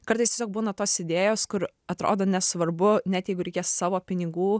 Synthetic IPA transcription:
kɐɾt̪ɐɪst̪ʲeːsʲoːk̚buːnɐt̪oːsɪd̪ʲeːjoːskʊɾ | ɐt̪ɾo̰ːd̪oːnʲɛsʋɐɾbʊnʲɛt̪jɛɪɡʊɾʲɛkʲeːssɑːʋoːpʲɪnʲɪɡuː

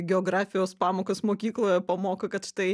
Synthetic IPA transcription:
ɡʲɛɔɡɾɑːfʲɪjoːspɑːmoːkɐsmoːkʲiːklˠoːjɛpɐmoːkɐkɐt̪ʃt̪ɐɪ

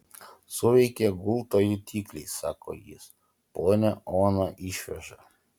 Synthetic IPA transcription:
sɔʋɛkʲɛɡulˠt̪ajut̪ʲʰiklisa̰kʰɔ̰jḭs | pɔjnɛɔnaʔiʃfɛʒa

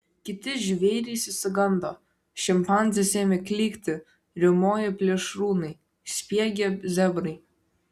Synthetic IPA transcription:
kʲɪt̪ʲɪʒʲʋʲɛɪɾʲɛɪsʲɪsʲɪɡɐnd̪oː | ʃʲɪmpɑˑnʲzʲɪsʲeːmʲɛkʲlʲiːkʲt̪ʲɪ | ɾʲɪmoːjɪpʲlʲɛʃɾuːnɐɪ | sʲpʲiɛɡʲɛzʲɛbɾɐɪ

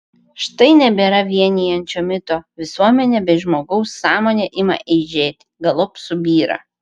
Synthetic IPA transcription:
ʃt̪ɐɪnʲɛbʲeːɾɐʋʲiɛnʲijɛnʲt͡ʃʲoːmʲɪt̪oːʋʲɪsuɔmʲɛnʲeːbʲɛɪʒmoːɡɐʊsːɑːmoːnʲeʔɪmɐ̰ʔɛɪʒʲeːt̪ʲɪɡɐlˠɔpsʊbʲiːɾɐ̰

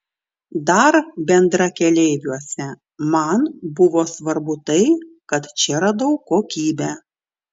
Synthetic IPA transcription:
d̪ɐɾbʲɛnd̪ɾɐkʲɛlʲɛɪʋʲuɔsʲɛ | mɐnbʊʋoːsʋɐɾbʊt̪ɐɪkɐt̪t͡ʃʲɛɾɐd̪ɐʊkːoːkʲiːbʲɛ

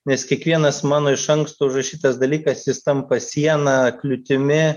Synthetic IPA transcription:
nʲɛskʲiɛkʋʲiɛnɐsmɑːnoːɪʃɐŋkst̪oʊʒrɐʃʲiːt̪ɐsd̪ɐlʲiːkɐsjɪst̪ɐmpɐsʲiɛnɐklʲʊt̪ʲɪmʲɪ

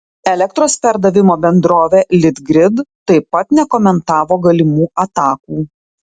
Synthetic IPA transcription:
ɛlʲɛk̚t̪ɾoːspʲɛɾd̪ɐʋʲɪmoːbʲɛnd̪ɾoːʋʲeːlʲɪd̪ɡɾʲɪd̪t̪ːɐɪpɐt̪nʲɛkɔmʲɛnt̪ɑːʋoːɡɐlʲɪmuːʔɐt̪ɑːkuː

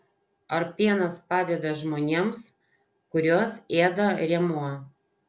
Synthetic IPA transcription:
ɐɾpʲiɛnɐspɑːd̪ʲɛd̪ɐʒmoːnʲeːms | kʊɾʲoːseːd̪ɐɾʲɛmuɔ

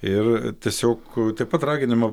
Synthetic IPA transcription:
ɪrt̪ʲiɛsʲoːkt̪ɐɪp̚ɐt̪ɾɑːɡʲɪnʲɪmɐ

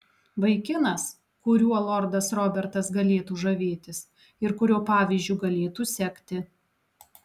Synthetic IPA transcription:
ʋɐɪkʲɪnɐs | kʊɾʲuːɐlˠɔɾd̪ɐsɾɔbʲɛɾt̪ɐsɡɐlʲeːt̪uːʒɐʋʲeːt̪ʲɪs | ɪɾkʊɾʲuːpɑːʋʲizʲd͡ʒʲuːɡɐlʲeːt̪uːsʲɛkʲt̪ʲɪ

